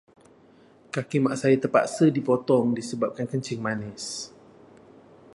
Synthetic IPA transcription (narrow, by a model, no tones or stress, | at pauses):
kakimaʔsajit̪əpa̰ʔsədipɔt̪ɔŋdisəbap̚kankəɲt͡ʃɪŋmanɛs